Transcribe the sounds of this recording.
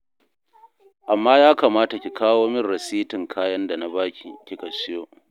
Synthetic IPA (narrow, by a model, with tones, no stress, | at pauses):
ʔa˨mːaː˦jaː˦ka˨maː˦ta˨kʲi˨kʰaː˦woː˦mɪ˦rɽɐ˨siː˦tɪ˨ŋkʰaː˦jɐ˦nda˨na˦baː˦kʲi˨kʲi˨kɐ˨sɪ˦joː˦